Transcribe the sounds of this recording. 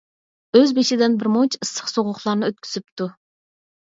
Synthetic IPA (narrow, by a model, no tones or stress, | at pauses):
øzbeʃɪd̪ɪnbɪɾmont͡ʃʰɨsːə̥χsoʁʊχlˠɑɾnɨøt̪̚kʲʰy̥z̥yp̚t̪ʰu